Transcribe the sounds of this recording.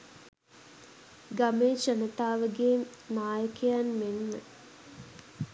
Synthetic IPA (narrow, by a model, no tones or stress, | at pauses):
ɡameːʃənət̪aːʋəɡeːnaːjəkəjanmenːə